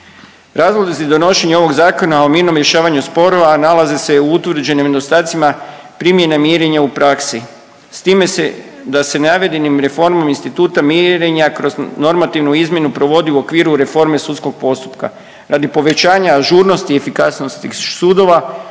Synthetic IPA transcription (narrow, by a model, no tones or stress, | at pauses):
ɾaːzlˠod̪izid̪o̞no̞ʃe̞ɲeo̞ʋo̞ɡzaːko̞naomiːɾno̞mɾje̞ʃaːʋaɲuspo̞ɾo̞ʋanalazese̞uut̪ʋr̩d͡ʑe̞nimed̪o̞st̪aːt̪sima | pɾimje̞namjeɾeɲaupɾaksi | st̪iːme̞se | d̪ase̞naʋe̞d̪enimɾe̞fo̞ɾmominst̪it̪uːt̪ameɾeɲakɾo̞zno̞ɾmat̪iʋnuizmʲje̞nupɾo̞ʋo̞d̪iuo̞kʋiːɾuɾe̞fo̞ɾme̞sut̪sko̞ɡ̚po̞st̪u̥pka̰ | ɾad̪ipo̞ʋe̞t͡ʃaːɲaːʒuːɾno̞st̪ie̞fikasnost̪isuːd̪o̞ʋa